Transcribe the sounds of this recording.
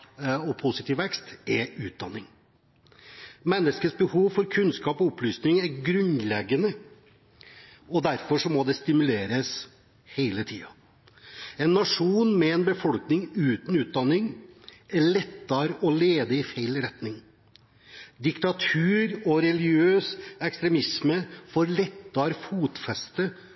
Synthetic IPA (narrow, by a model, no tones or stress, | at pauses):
ɔpʰʊsɪt̪iːʋɛkst̪ɛʉːt̪̚d̪ɑ̰nːɪŋ | mɛnːəskəsbəhuːʋfɔɾkʰʉnskɑːpɔɔplyːsnɪŋæɾɡɾʉnlɛɡənə | ɔd̪æɾfɔʂɔmɔd̪ɛst̪ɪmʉleːɾəs | heɪlət̪ʰiːɑ | ɛnːɑʂuːnmɛɛnbəfɔlknɪŋʉːt̪n̩ʉːt̪̚d̪ɑnːɪŋæɭɛt̪ːɑɾɔleːd̪əɪfeɪlɾɛt̪nɪŋ | d̪ɪkt̪ɑt̪ʰʉːɾɔɾɛlɪøːsɛkst̪ɾɛmɪsməfɔɾɭɛt̪ːɑɾfuːt̪fɛst̪ə